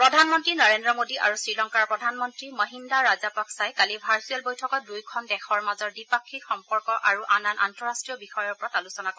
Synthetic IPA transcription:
pɹɔdʱanmɔntɹinɔɹendɹɔmodia̰ɹusɹilɔŋkaɹpɹɔdʱanmɔntɹimɔɦindaɹazapaksajkalibʱaɹsuɛlbojtʰɔkɔt̚dujkʰɔndɛxʰɔɹmazɔɹdipakʰːikxɔmpɔɹkɔʔaɹuʔananʔa̰ntɔɹastɹijɔbixɔjɔɹpɔɹatalusɔnakɔ

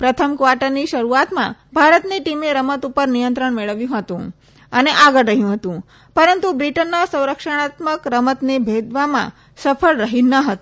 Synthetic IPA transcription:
pɾət̪ʰəmkʋaɾʈəɾniʃəɾuat̪mã̰bʱaɾət̪niʈimeɾəmət̪upəɾnijənt̪ɾəɳmeɭəʋjũɦət̪ṵ̃ | əneʔaɡəɽːəɦjũɦət̪ũ | pəɾənt̪ubɾiʈənːasə̃w̃ɾəkʂəɽ̃at̪məkɾəmət̪nebʱed̪ʋamã̰ | səpʰəɭɾəɦinəɦət̪ũ

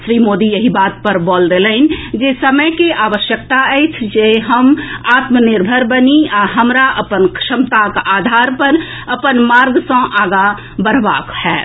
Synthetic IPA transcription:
ʃɾimoːd̪ijəɦibaːt̪̚pəɾbɔld̪eləɪn̆d͡ʒesəməjkeʔaːʋəʃjək̚t̪aəɪt͡ʃʰd͡ʒeɦəmaːt̪mənɪɾbʱəɾbəniaɦəmɾaʔəpənkʰʃəmt̪akaːd̪ʱaːɾpəɾ | əpənmaːɾɡsə̃ʔaːɡa | bəɾbaːkhɛː

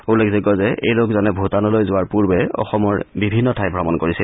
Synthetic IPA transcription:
ulekzɔkɔzɛʔḛjlokzɔnɛbʱutanɔlojzʊaɹpuɹbɛɔ̰xɔmɔɹbibʱinːɔtʰajbʱɹamɔnkoɹisi

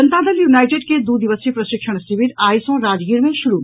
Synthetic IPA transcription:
ənt̪ad̪ʱɐljuːnaːjʈeːɖked̪uːd̪iʋəsipɾɐʃɪkʃəɳ̃siʋiɾaːjsõɾaːd͡ʒɡiːəɾmẽʃuɾu

